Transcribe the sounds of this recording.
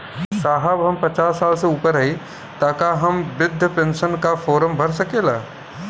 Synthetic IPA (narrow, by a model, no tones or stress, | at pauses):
saːɦəbɦɐmpɐt͡ʃaːsːaːlseuːpəɾɐɦi | t̪aːkaɦɐmʋɪd̪ʱːjəpẽːnʃənkafoːɾəmbʱɐɾsɐkeːlaː